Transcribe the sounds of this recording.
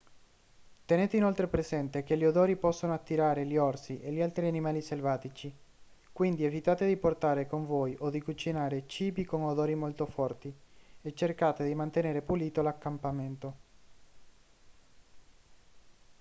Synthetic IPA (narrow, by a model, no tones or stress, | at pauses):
t̪eneːt̪einolt̪ɾepɾezɛnt̪ek̟eʎːiod̪oːɾipɔsːonoat̪ːiɾaːɾeliɔrsiʔeʎːialt̪ɾianimaːliselvaːt̪it͡ʃi | kwind̪ievit̪aːt̪ed̪iport̪aːɾekoɱvoːjʔod̪ikut͡ʃinaːɾet͡ʃiːbikonod̪oːɾimolt̪ofɔrt̪iet͡ʃːerkaːt̪ed̪imant̪eneːɾepuliːt̪olakːampament̪o